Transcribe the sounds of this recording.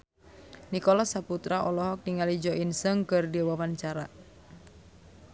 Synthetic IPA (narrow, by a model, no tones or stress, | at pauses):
nikɔlɔsaput̪ɾaʔɔlɔɦɔk̚niŋalid͡ʒɔʔinsəŋkərdiwawant͡ʃaɾa